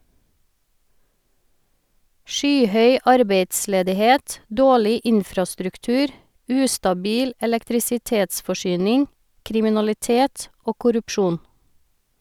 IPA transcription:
ˈʃyːˌhœʏ ˈɑɾbeɪdsleːdɪˌheːt ˈdoːɭɪ ˈʔɪnfɾɑstɾʉkˌtʉːɾ ˈʉːstɑˌbiːl ɛlɛktɾɪsɪˈteːtsfɔˌʃyːnɪŋ kɾɪmɪnɑlɪˈteːt ˈoː kʊɾʉpˈʃuːn

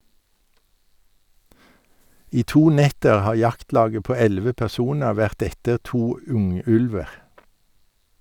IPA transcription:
ˈiː ˈtuː ˈnɛtəʁ ˈhɑː ˈjɑktˌlɑːɡə ˈpoː ˈɛlʋə pɛʁˈsuːnə ˈʋæʁt ˈɛtəʁ ˈtuː ˈʉŋˌʉlʋəʁ

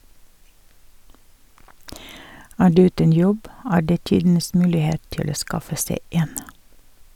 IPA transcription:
ˈæː ˈɖʉː ˈʉːtən ˈjɔb ˈæːɾ ˈdeː ˈtiːdn̩əs ˈmʉːlɪˌheːt ˈtɪl ˈoː ˈskɑfə ˈseɪ ˈeːn

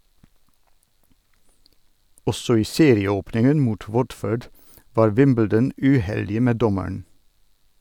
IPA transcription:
ˈɔsɔ ˈiː ˈseːɾɪəˌoːpnɪŋən ˈmuːt ˈwɔdføːɖ ˈʋɑːɾ ˈwɪmbl̩dən ʉˈhɛldɪə ˈmeː ˈdɔməɳ

